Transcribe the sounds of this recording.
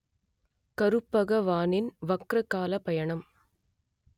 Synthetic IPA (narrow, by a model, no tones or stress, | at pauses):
kɐɾɯpːɐɣɐʋaːnɪnʋɐkɾɐkːaːlɐpɐjɐɳɐm